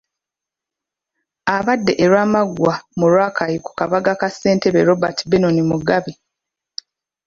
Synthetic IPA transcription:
aβadːe̞ʔeɾwaːmaɡwamuɾwaːkʰajiku̥kaβaɡakasːe̞ːnte̞βeɾo̞batibenonimuɡaβi

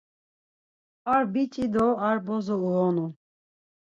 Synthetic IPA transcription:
aɾbit͡ʃʼid̪ɔaɾbɔzɔuɔnu

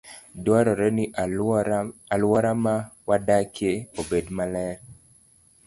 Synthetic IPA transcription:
dwɔɾɔɾɛni | alwɔɾamawadakjeobedmalɛɾ

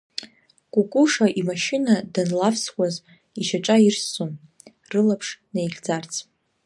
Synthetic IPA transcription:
kʷʼukʼuʂaʔimaʃɪnadanlafʰswaz | iʃaʈ͡ʂʼairsom | rɨlapʰʂnejɮʲd͡zart͡sʰʼ

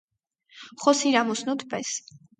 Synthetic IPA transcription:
χɔsiɾamɔsnɔt̪ʰpʼɛs

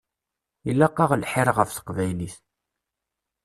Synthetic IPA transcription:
ilːɑqːɑʁlħɪɾˤʁəfθə̥qvæjliθ

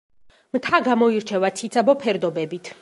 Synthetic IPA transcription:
mt̪ʰaɡamɔiɾt͡ʃʰɛvat̪sʰit̪sʰabɔpʰɛɾd̪ɔbɛbit̪ʰ

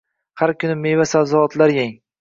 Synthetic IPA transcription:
haɾkʲʰʊnɪmejvasalzɒɒt̪laɾjaŋ

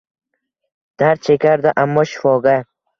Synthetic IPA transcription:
d̪̥aɾ̚t͡ʃʰekʲʰaɾd̪ɪʔamːɒʃɪ̥fɒɡʲa

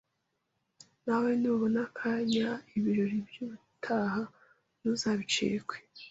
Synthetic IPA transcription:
nawe̞nuβonakʰaːɲaiβiɾoɾibjuβu | tʰaɦa | nuzaːβit͡ʃḛːɡwe̥

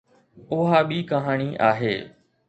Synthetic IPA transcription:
ʊɦaːɓiːkəɦaːɳiːʔa̰ːɦeː

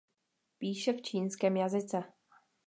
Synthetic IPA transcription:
piːʃɛft͡ʃʰiːnskɛːmjazɪt͡sɛ

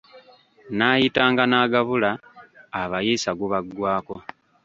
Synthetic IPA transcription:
naːjitaːŋɡanaːɡaβulaː | βajiːsaɡuβaɡwaːko̞

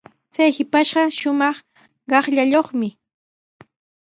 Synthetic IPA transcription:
t͡sajhɪpaʃɢɑʃʊmɑχ | ɢɑχʎaʎoχmɪ

